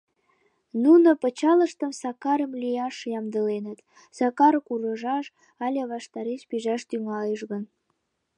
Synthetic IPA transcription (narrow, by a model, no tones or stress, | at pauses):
nunopət͡ɕɑləʃt̪əmsɑkɑɾəmlʲijɑʃjɑmd̪əlenət̪ | sɑkɑɾkuɾəʒɑʃ | ɑlʲeβɑʃt̪ɑɾeʃpiʒɑʃt̪yŋɑleʃɣən